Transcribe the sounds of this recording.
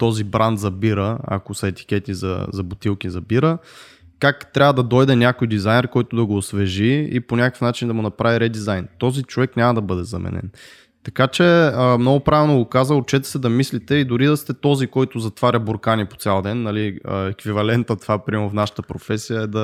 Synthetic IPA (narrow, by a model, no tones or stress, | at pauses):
t̪ɔzibɾand̪zɐbiɾəɐ̰kosɐɛt̪i̥kʲɛt̪izɐ̰zɐbʊt̪ilˠk̟izɐbiɾə | kakt̪ɾʲavəd̪ɐd̪ɔjd̪ɛnʲakojd̪izajnɛɾkɔjt̪ʊd̪ɐɡoːsvɛʒiḭponʲakə̥fnat͡ʃind̪ɐmʊnɐpɾaviɾɛd̪izajnt̪ɔzit͡ʃovɛknʲamɐd̪ɐbɤd̪ɛzɐmɛ̰nɛ̰n | t̪ɐkat͡ʃɛəmnɔɡʊpɾavɛlˠnoɡʊkazəot͡ʃɛt̪ɛ̥sɛd̪ɐmislit̪ɛid̪ʊɾid̪ɐst̪ɛt̪ɔzikɔjt̪ʊzɐt̪vaɾʲəboɾkanipo̥t̪sʲalˠd̪ɛnːɐliə̰ɛkvivɐlɛnt̪ət̪vapɾimɛɾofnaʃə̥t̪əpɾofɛsijəɛd̪ɐ